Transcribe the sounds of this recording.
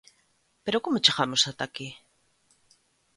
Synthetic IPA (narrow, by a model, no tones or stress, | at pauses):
peɾokomot͡ʃeɣamosat̪aki